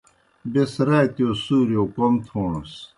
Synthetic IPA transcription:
besɾaːt̪josuːɾjokomt̪ʰoːnos

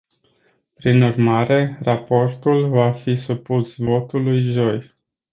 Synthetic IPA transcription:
pɾinurmaɾe̞rapo̞rt̪ulvafisupusvo̞t̪ulujʒo̞j

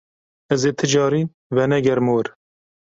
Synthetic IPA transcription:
ɛzeːt̪ʰɨd͡ʒɑːɾiːn | vɛnɛɡɛɾmoːɾ

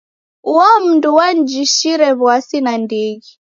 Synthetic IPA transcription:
uwam̩nduwand͡ʒiʃiɾɛβwasinandiɣi

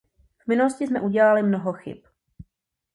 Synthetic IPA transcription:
v̥mɪnuloscɪsmɛʔuɟɛlalɪmnoɦoxɪ̰p

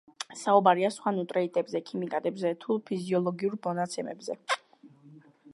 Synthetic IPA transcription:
saubaɾiasχwanut̪ʼɾɛit̪ʼɛbzɛkʰimikʼad̪ʼɛbzɛt̪ʰupʰiziɔlˠɔɡiuɾmɔnat̪sʰɛmɛ̰bzɛ

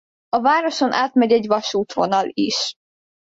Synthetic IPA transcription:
ɒvaːɾo̞ʃo̞nʔaːt̪mɛɟɛɟvɒʃuːt̪ʋo̞̰nɒlḭʃ

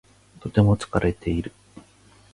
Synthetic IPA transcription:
t̪o̞t̪e̞mo̞t͡sɨ̥kaɾʔe̞t̪ʰe̞iɾɯ̟

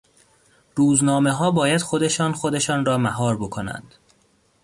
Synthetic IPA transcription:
ɾuːznɒːme̞ɦɒːbɒːjæd̪̥xo̞d̪e̞ʃɒːnxo̞d̪e̞ʃɒːnɾɒːmæɦɒːɾbo̞kʰo̞næ̰nd̪̥

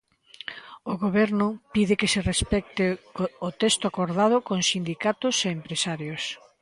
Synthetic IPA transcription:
ʊɣoβ̞ɛɾnʊpiðɪkeserespɛk̚t̪ɪot̪ɛst̪ʊakoɾðað̞ʊkoŋsind̪ikat̪ʊseːmpɾesaɾjos

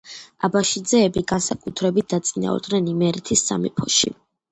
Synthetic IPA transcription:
abaʃid̪zɛːbiɡansakʼut̪ʰɾɛbit̪̚d̪at̪sʼina̰ɔ̰ɾd̪nɛnimɛɾit̪ʰisːa̰mḭpʰɔʃḭ

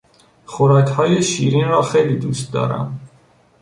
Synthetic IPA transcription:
χɔɾak̪hajɔʃiɾinɾaχɛlid̪usd̪a̰ɾa̰m

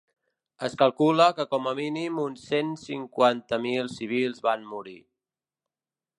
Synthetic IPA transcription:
əskəlˠkuləkəkɔməminimunsensiŋkwant̪əmilˠsiβ̞ilˠzβanmuɾi

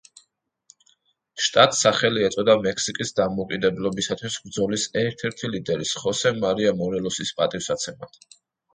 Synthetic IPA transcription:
ʃt̪ʼat̪ʼsaχɛliɛt̪sʼɔd̪amɛksikʼisd̪amɔkʼid̪ɛblɔbisat̪ʰwisbɾd̪zɔlisɛɾt̪ʰɛɾt̪ʰilid̪ɛɾisχɔsɛmaɾiamɔɾɛlˠɔsispʼat̪ʼifsat̪sʰɛma̰

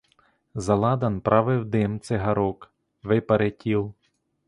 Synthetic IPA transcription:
zɐlˠɑd̪ɐnpɾʔɑʋɪwd̪ɪmt̪sɛɦɐɾɔk | ʋɪpɐɾetʲiw

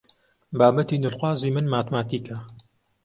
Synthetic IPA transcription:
baːbɐt̪iːnɨlxwaːziːmɨnmaːt̪maːt̪iːkʰɐ

